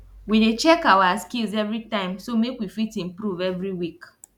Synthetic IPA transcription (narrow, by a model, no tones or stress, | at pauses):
widet͡ʃɛkaʊwaskilzɛvɹitãɪ̃msomekwifitĩmpɹuvɛvɹiwik